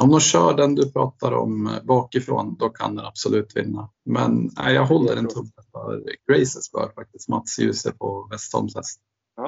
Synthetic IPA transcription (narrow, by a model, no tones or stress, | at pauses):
ɔmd̪ɔnɕœːɖɛnd̪ɵpʰɾɑːt̪aɾɔ̰mbɑːkɪfɾo̰ːnd̪ɔkʰa̰nd̪ɛnab̥sʊlʉ̟ːt̪vɪ̰nːa | mɛnæ̰ɪjɑːɡɦɔlːəɾɛnt̪ʰɵmːəfœ̰ɾɡ̥ɾɛɪsəsbœ̰ːɾfak̚t̪ɪst̪mat̪sjʉ̟ːsəpʰɔvɛst̪hɔ̰ɾmsɛ̰st̪n